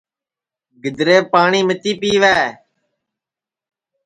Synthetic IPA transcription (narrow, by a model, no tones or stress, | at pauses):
ɡɪd̪ɾeːpaːɳiːmət̪iːpiːʋɛː